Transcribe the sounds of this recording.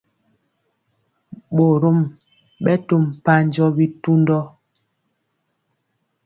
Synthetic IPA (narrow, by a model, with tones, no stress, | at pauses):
ɓo˨ɾo˦m | ɓɛ˦to˦˨m˨pa˦ɲ˦d͡ʒɔ˦bi˦tu˦ndɔ˦